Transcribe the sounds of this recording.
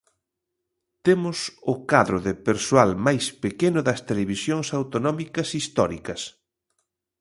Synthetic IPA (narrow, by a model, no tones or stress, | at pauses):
t̪emʊsʊkaðɾʊðɪpeɾsoalmajspekenʊðɐst̪eleβisjoŋsawt̪onɔmikɐsist̪ɔɾikɐs